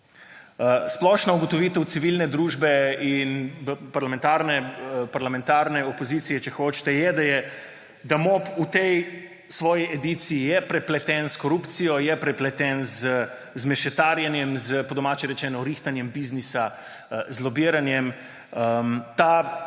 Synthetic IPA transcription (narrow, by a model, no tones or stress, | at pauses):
splɔʃnauɡɔt̪ɔʋiːt̪ɛwt̪siʋilnɛd̪ɾuːʒbɛinpaɾlamɛ̃nt̪aːɾnɛpaɾlamɛ̃nt̪aːɾnɛopozit̪sijɛt͡ʃɛxoːt͡ʃt̪ɛjɛd̪ajɛ | d̪amoput̪ɛj | sʋɔːjiʔɛd̪iːt̪siːjɛpɾɛplɛt̪ɛnskɔɾupt̪sijɔjɛpɾɛplɛt̪ɛnzə | zmɛʃɛt̪aɾjanjɛmzpɔd̪ɔmaːt͡ʃɛɾɛt͡ʃɛːnɔɾixt̪anjɛmbiznisa | zlɔbiːɾanjɛm | ət̪a